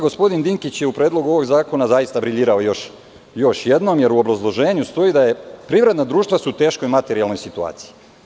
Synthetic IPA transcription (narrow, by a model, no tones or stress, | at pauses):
ɡo̞spo̞d̪ind̪iŋkit͡ɕjeupɾeːd̪lˠo̞ɡuo̞ʋo̞ɡzaːko̞nazajist̪abɾiʎiːɾaojo̞ʃ | jo̞ʃje̞d̪nomje̞ɾuobɾazlˠo̞ʒe̞ːɲust̪o̞id̪ajepɾiʋɾe̞d̪nad̪ɾuːʃt̪ʋasut̪e̞ːʃko̞jmat̪e̞ɾialno̞jsit̪ua̰ːt̪si̥i